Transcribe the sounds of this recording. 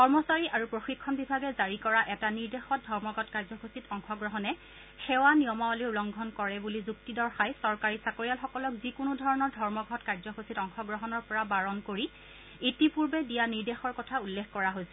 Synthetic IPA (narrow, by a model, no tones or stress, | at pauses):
kɔɹmɔsaɹiʔaɹupɹoxikʰːɔnbibʱaɡɛzaɹikɔɹaʔɛtaniɹdexɔt̚dʱɔɹmɔɡʱɔtkaɹzɔxositɔŋxɔɡɹɔɦɔnɛ | xɛwaniɔmawaliulɔŋɡʱɔnkɔɹɛbulizuk̚tidɔɹxajsɔɹkaɹisakoɹijalxɔkɔlɔkzikʊnudʱɔɹɔnɔɹdʱɔɹmɔɡʱɔtkaɹzɔxositɔŋxɔɡɹɔɦɔnɔɹpɔɹabaɹɔnkoɹi | itipuɹbɛdijaniɹdexɔɹkɔtʰaulːexʰkɔɹaɦojsɛ